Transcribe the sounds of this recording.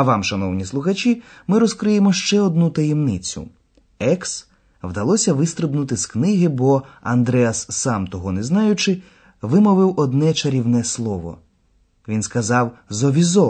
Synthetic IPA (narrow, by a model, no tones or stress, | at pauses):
ɐʋɑmʃɐnɔwnʲislˠʊxɐt͡ʃʲi | mɪɾɔskɾɪjemɔʃt͡ʃɛɔd̪̚nut̪ɐjemnɪt͡sʲʊ̰ | ɛks | ʋd̪ɐlˠɔsʲɐʋɪst̪ɾɪbnʊt̪ɪsknɪɦɪbɔɐ̰nd̪ɾɛɐsːɑmt̪ɔɦɔneznɑjʊt͡ʃɪ | ʋɪmɔʋɪwɔd̪nɛt͡ʃɐɾʲiwnɛslˠɔʋɔ̰ | ʋʲinskɐzɑwzɔʋʲizɔ